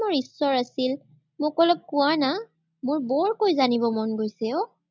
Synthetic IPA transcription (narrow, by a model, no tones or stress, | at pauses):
mʊɹisːɔɹasil | mʊkɔlɔk̚kʊana | mʊɹbɔɹkojzanibɔmɔnɡojsɛʊ